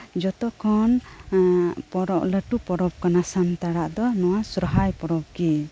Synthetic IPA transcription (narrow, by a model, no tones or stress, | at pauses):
d͡ʒɔt̪ɔkʰɔn | pɔɾɔʔləʈupɔɾɔb̚kanasant̪aɽaʔd̪ɔnɔwasɾɔɦajpɔɾɔb̚ɡi